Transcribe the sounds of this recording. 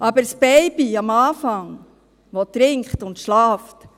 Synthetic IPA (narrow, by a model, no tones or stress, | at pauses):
ʔɑbəɾsbɛɪbiɑmɑːfɑŋ | ʋɔtɾɪŋkχtʊntʃlɑːft